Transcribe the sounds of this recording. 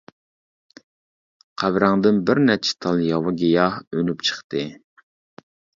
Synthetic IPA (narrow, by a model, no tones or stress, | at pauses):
qʰæbɾɑŋd̪ɨnbɪɾnɛt͡ʃʰɪ̥t̪ʰɑlˠjɑwɑɡʲijɑhønypt͡ʃʰə̥χt̪ɨ